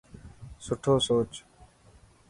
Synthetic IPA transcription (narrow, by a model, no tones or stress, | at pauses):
sʊʈʰoːsoːt͡ʃ